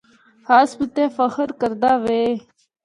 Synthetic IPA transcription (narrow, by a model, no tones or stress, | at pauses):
haːsbət̪efəxəɾkəɾd̪aːʋeː